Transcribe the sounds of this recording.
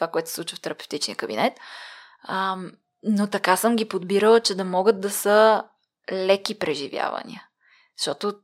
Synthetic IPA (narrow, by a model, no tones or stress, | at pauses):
t̪ovakoɛt̪ʊ̥sɛsˠut͡ʃvəft̪ɛɾɐpɛ̥ft̪it͡ʃniəkəbḭnɛt̪ | ə | not̪ɐkasɤmɡʲipod̪biɾəlˠt͡ʃɛd̪ɐmɔɡət̪̚d̪ɐsə | lɛkʲipɾɛʒivʲja̰vɐ̰nḭə | ʃt̪ɔt̪o